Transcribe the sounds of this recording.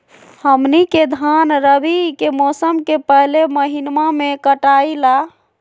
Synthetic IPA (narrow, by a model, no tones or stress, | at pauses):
həmniked̪ʱanɾəbikemɔsəmkepəɦleməɦinmamekəʈaila